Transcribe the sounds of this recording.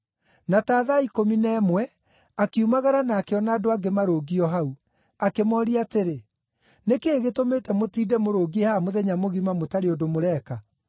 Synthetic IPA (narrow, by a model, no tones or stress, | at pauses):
nataːðaikominɛːmwɛ | akiumaɣaɾanakeɔnaːdoaɡemaɾoːɡiɔɦau | akemɔɾiateɾe | nekeːɣetomeːtɛmotiːdɛmoɾoːɡiehamoðɛɲamoɣimamotaɾeodomoɾɛːka